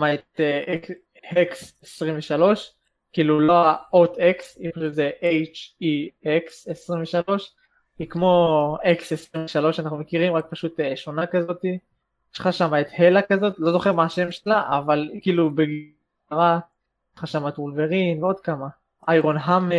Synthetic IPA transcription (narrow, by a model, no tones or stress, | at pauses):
maet̪ee | heksesʁiɱveʃalo̞ʃ | kiːluloaot̪eksipaʃut̪zeʔejt͡ʃieksesʁimveʃalo̞ʃ | hikmo̞eksesʁimveʃalo̞ʃanaχnume̞kiʁimʁak̚paʃut̪eʃo̞nakazo̞t̪i | eʃχaʃamaet̪he̞lakazo̞t̪lo̞zo̞χeʁmaːʃe̞mʃelaʔavalikiːlubeɡi | aʁa | χaʃamatulveʁimveo̞d̪kama | ajʁo̞nɦam